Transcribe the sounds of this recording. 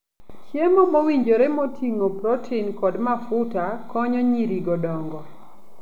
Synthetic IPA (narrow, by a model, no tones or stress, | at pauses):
t͡ʃjemomowiɲd͡ʒoɾemotʰiŋopɾɔtʰinkɔdmafʊtakɔɲɔɲiɾiɡɔdɔŋɡɔ